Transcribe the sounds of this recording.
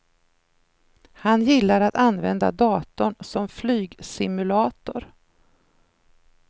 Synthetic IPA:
hanjɪlːaɾat̪anvɛnd̪a̰d̪ɑːt̪ʊɳsɔmflyːɡsɪmɵlɑːt̪ʊɾ

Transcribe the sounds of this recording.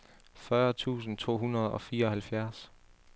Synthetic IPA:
fɶɐt͡sʰṵːsn̩t͡sʰo̝̰ːɦunɐð̞̩ˠɒ̽fiːɐɒ̽hælfjæɐs

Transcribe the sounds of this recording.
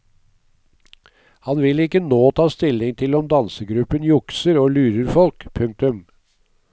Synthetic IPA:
hɑnʋɪlɪkːənoːt̪ʰɑːst̪ɪlɪŋt̪ʰɪlɔmd̪ɑnsəɡɾʉpənjʊksəɾoːlʉːɾəɾfɔlkpʰʉŋk̚t̪ʉm

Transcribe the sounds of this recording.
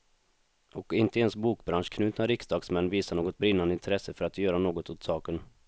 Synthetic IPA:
ɔkɪnt̪əɛnsbuːkbɾanʂkʰnʉ̟ːt̪naɾɪksd̪ɑːɡsmɛnːviːsaɳoːɡɔt̪̚bɾɪnːand̪əɪnt̪ʰɾɛsːəfœɾat̪jœːɾanoːɡɔt̪ʊt̪sɑːkən

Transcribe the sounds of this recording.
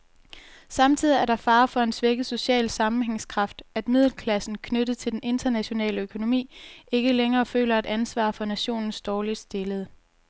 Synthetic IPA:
sɑ̈mt͡sʰið̞̰ˠiæɐɾ̥ɑ̈fɑ̈ːfɒ̽e̝nsʋeɡ̥ð̩ˠso̝ɕɛ̰ːlsɑ̈mm̩heŋskʰʁɑ̈fd̥æd̥mið̰ˠl̩kʰlæsn̩kʰnøɾ̥ð̩ˠt͡sʰe̝ld̥ene̝nd̥ɐnæɕo̝nɛ̰ːləøkʰo̝no̝mḭːe̝ɡ̥əleŋɐːfø̰ːlɐed̥ænsʋɑ̰̈ːfɒ̽næɕo̝̰ːnn̩sd̥ɒːlid̥sd̥e̝ləð̞̩ˠ

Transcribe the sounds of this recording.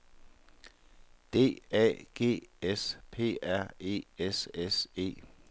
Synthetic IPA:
d̥e̝̰ːɛ̰ːɡ̥e̝̰ːespʰe̝̰ːæɐ̰e̝̰ːesese̝̰ː

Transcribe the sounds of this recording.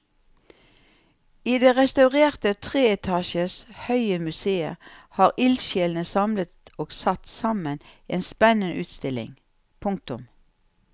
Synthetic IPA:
iːd̪eːʁɛst̪ɑʉʁeːʁt̪ət̪ʰʁeːɛt̪ʰɑːʃəshœʏəmʉseːə̰ʁhɑːʁɪlʃeːlnəsɑmlət̪oːɡ̥sɑt̪sɑməneːnspɛnənə̰ʔʉːt̪st̪ɪlɪ̰ŋ | pʰʊŋk̚t̪ʊm

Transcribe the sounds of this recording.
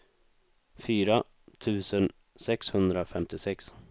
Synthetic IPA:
fyːɾa | t̪ʰʉ̟ːsən | sɛkshɵnd̪ɾafɛmt̪ɪsɛks

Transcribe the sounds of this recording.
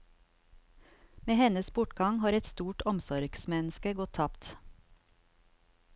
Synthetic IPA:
meːhɛnəsbʊʈɡɑŋhɑːɾɛt̪st̪uːʈɔmsɔɾɡ̥smɛnəskəɡɔt̪ʰɑpt̪

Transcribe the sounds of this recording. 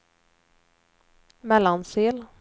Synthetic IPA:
mɛlːɑnsiːl

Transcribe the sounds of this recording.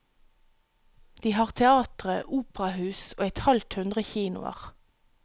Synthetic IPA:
d̪̥iːhɑːʁt̪ʰɛɑːt̪ʁəʔuːpʁɑhʉːsoːɛt̪hɑlt̪hʉnd̪ʁəçiːnʊ̰ɑ̰ʁ

